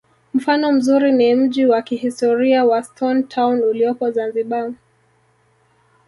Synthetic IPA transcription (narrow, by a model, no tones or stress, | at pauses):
m̩fanɔm̩zuɾinim̩ʄiwakihistɔɾiawastʰɔntʰawnuliɔpɔzanziɓa